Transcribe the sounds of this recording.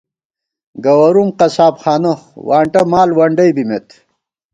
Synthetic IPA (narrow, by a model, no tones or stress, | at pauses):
ɡɐwɐɾumqɐsaːpxaːnɐwaːɳʈɐmaːlwɐɳɖɐjbimet̪